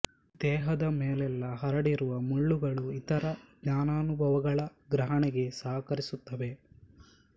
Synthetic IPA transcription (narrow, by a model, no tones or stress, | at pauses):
d̪̥ɛːɦɐd̪ɐmeːlɛlːɐɦɐɾɐɽiɾuʋɐmuɭːuɡɐɭuit̪ɐɾɐɡɲaːnaːnubʱɐʋɐɡɐɭɐɡɾɐɦɐɳɛɡe̞saːkɐɾisut̪ːɐʋe̞